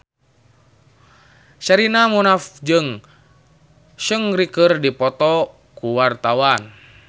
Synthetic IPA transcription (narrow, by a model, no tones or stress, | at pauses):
ʃaɾinamunafd͡ʒɨŋ | ʃəŋrikərdipɔt̪ɔ | kuwart̪awan